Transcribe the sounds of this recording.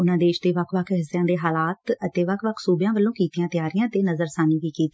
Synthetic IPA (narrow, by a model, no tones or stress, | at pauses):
ʊnãːd̪eːʃd̪eːʋəkʰʋəkʰɦɪsjãːd̪eːɦaːlaːt̪ət̪eːʋəkʰʋəkʰsuːbjãːʋəlːõːkiːt̪ijãːt̪ɪjaːɾijãːt̪eːnəzəɾsaːniːʋiːkiːt̪ĩ